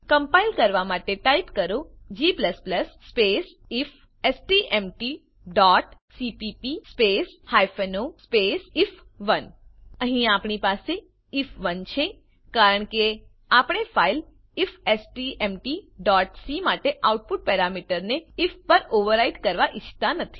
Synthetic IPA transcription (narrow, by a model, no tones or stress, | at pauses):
kəmpailkəɾʋamaʈeʈaipkəɾõd͡ʒipləspləsːpes | if | esʈiʔemʈi | ɖɔʈsipipispeshajfʰenospesif | ʋənəɦĩapɳipase | ifʋənt͡ʃʰẽ | kaɾəɳke | apəɽ̃efail | ifesʈiemʈiɖɔʈsimaʈeʔauʈ̚puʈ̚pɛɾamiʈəɾneifʰpəɾoʋəɾaiɖkəɾʋaʔɪt͡ʃʰt̪anət̪ʰi̥